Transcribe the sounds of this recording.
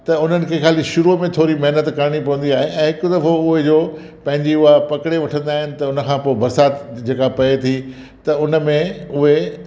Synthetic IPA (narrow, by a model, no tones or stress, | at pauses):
t̪ɐʊn̤ənɪ̆kʰeːxaːliʃʊɾumẽt̪ʰoːɾimɐɦnət̪kɐɾɽ̃ipɐʋə̃n̆d̪iaːɦeɛ̃ːɦɪkʊd̪ɐfoʊɦed͡ʑoː | pɐ̃ɦɪ̃ɲd͡ʑiʊɦapɐkɽeʋɐʈʰə̃nd̪aːɦɪnɪ̆t̪ɐʊnə̆kʰãːpoːɪbɐɾsaːt̪d͡ʑeːkapɐet̪ʰi | t̪ɐʊnə̆mẽʊɦe